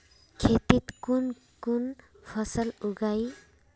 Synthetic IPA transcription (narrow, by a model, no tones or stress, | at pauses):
kʰet̪it̪kun | kun | pʰɔsaluɡaj